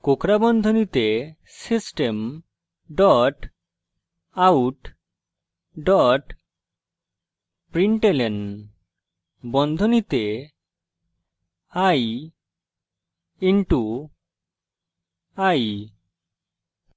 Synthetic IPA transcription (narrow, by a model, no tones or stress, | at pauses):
kokɾabɔnd̪ʱonit̪e | sisʈem | ɖɔʈ | awʈ | ɖɔʈ | pɾiɳʈelen | bɔnd̪ʱonit̪e | aj | iɳʈu | aj